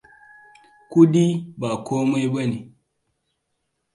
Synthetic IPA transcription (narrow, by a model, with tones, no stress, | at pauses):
ku˦di˦ba˨koː˦ma˦jbɐ˦ni˨